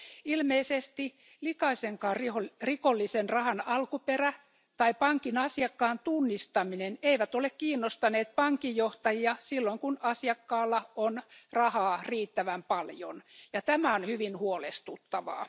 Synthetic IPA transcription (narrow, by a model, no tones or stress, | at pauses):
ilmeisest̪i | likɑiseŋkɑːriorikolːisenrɑhɑnɑlkuperæ | t̪ɑipɑŋkinɑsiɑkːɑːnt̪unːist̪ɑmineneiʋæt̪olekkiːnːost̪ɑneːt̪̚pɑŋkijoht̪ɑjiɑsilːoiŋkunɑsiɑkːɑːlːɑonrɑhɑːriːt̪ːæʋæmpɑljo̰njɑt̪æmæonhyʋinhuolest̪ut̪ːɑʋɑ̰ː